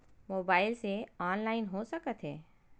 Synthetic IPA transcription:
moːbaːɪlseɔːnlaːɪnɦosɐkət̪ɦɛː

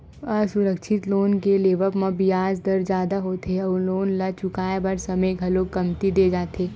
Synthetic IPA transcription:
əsʊɾəkʃʰɪt̪loːnkeleːʋəpmãbiaːd͡ʒd̪ɐɾd͡ʒjaːd̪aɦoːt̪eɐloːnlat͡ʃʊkaːebɐɾsɐməɡʱɐlokɐmt̪id̪eːd͡ʒaːt̪eː

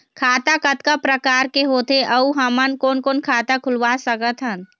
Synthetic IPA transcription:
kʰaːt̪akət̪kapɾəkaːɾkeɦoːt̪eʔəuɦəmənkoːnkoːnkʰaːt̪akʰʊlʋasəkət̪ɦən

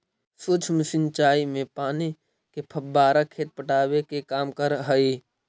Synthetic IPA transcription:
sut͡ʃʰmɪsɪnt͡ʃaːimẽpaːni | kepʰəbːaːɾakʰːeːt̪̚pəʈaːbekekaːmkəɾɦəi

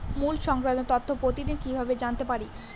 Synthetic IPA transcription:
mulʃɔŋkɾad̪ot̪ɔt̪ʰːopɾot̪idikibʱabed͡ʑant̪epaɾi

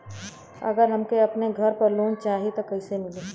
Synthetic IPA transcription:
ɐ̰ɡəɾɦɐmkeɐpneɡʱɐɾpɐɾloːnt͡ʃaːɦit̪okɐɪsemɪleː

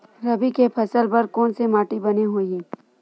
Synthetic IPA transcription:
ɾɐbikepʰɐsəlpɐɾkɔːnsemaːʈibɐneɦoːiĩː

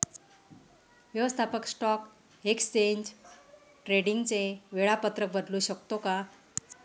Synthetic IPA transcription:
ʋjəʋəst̪ʰapəksʈɔk | ekst͡ɕeɲd͡ʑ | ʈɾeɽiŋɡt͡seʋeɭapət̪ɾək̚bəd̪luːɕəkt̪oka

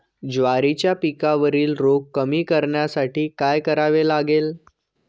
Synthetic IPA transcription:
d͡zʋaɾit͡ɕjapikaʋəɾiːlɾokkːəmiːkəɾɳjasaʈʰiːkajkəɾaʋelaɡel

